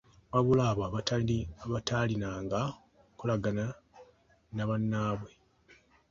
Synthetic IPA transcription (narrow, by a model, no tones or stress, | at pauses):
waβulaβaβataβatʰalinaːŋɡa | kulaɡana | naβanːaːβwe̞